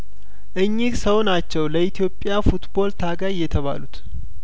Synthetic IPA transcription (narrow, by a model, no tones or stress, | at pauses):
ʔɨɲːisəwnat͡ʃːɛwləʔit̪ʰijo̞pʼːɪjafut̪bo̞lt̪ʰaɡajːɛt̪ʰəβa̰lut̪